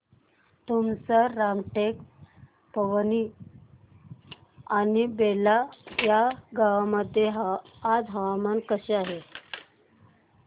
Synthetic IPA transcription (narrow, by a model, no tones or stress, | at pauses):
t̪umsəɾamʈek | pəʋəni | anibelajaɡaʋməd̪ʱjeɦː | d͡zɦaʋamankəɕeaɦe